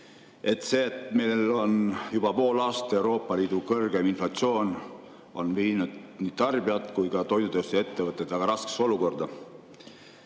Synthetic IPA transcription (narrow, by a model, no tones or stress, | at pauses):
e̞t̪ːˑse̞ːt̪melo̞njub̥ɑpo̞ːlɑːst̪ɑe̞wɾo̞ːpˑːɑliːd̪̥ukɤrɡ̥e̞minflɑt̪sio̞ːn | ʔo̞̰nviːnud̪̥niːt̪ɑrbiɑt̪kujkɑt̪o̞jd̪ut̪eost̪ee̞t̪ːevɤt̪ːˑed̪ɑɡ̥ɑɾɑske̥so̞luko̞rd̪̥ɑ